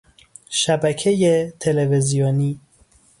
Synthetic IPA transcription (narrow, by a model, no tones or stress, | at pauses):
ʃæbækʰejet̪ʰelevezijoniː